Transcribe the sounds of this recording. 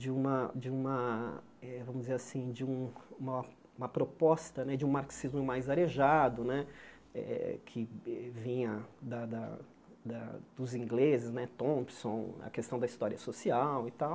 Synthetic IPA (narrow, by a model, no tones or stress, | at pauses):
d͡ʒɪũmɐd͡ʒɪũmɐ | ɛvɐ̃mʊzd͡ʒɪzeɾasĩd͡ʒɪũũmɐ | ũmɐpɾopɔst̪ɐnɛd͡ʒɪũmaɾksizmʊmajzaɾeʒad̪ʊnɛ | ɛ̰kʰɪɛvĩɲɐd̪ɐd̪ɐ̰ | d̪ɐd̪ʊzĩŋɡlezɪznɛt̪õpsõw̃ɐ̰kest̪ɐ̃w̃d̪ɐist̪ɔɾiɐsosiawit̪aw